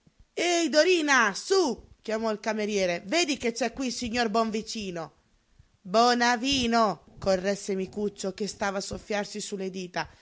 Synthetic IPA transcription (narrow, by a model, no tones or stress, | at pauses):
ed̪oɾiːnasukjamɔilkameɾjɛːɾeveːd̪iket͡ʃːɛkwisiɲːorbɔɱvit͡ʃiːno | bɔnaviːnokorrːɛsːemikut͡ʃːokest̪aːvaːsofːjarsisulːed̪iːt̪a